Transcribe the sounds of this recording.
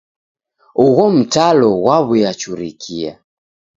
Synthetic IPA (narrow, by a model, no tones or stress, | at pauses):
uɣɔm̩talɔwaβujat͡ʃuɾikʰia̰